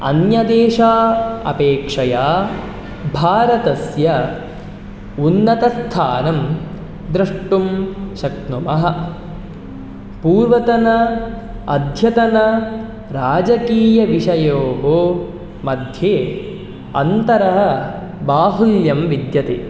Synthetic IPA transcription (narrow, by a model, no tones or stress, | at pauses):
ɐ̰njɐd̪eːʃaːɐ̰peːkʂɐjaː | bʱaːɾɐt̪ɐsjɐ | unːɐt̪ɐst̪ʰaːnɐm | d̪ɾɐʂʈumʃɐk̚numɐɦɐ̆ | puːɾʋɐt̪ɐnɐ | ɐd̪ʱjɐt̪ɐnɐ | ɾaːd͡ʒɐkiːjɐʋiʂɐjoːɦo | mɐd̪ʱjeː | ɐ̰nt̪ɐɾɐɦɐ̆ | baːɦuljɐmʋid̪jɐt̪e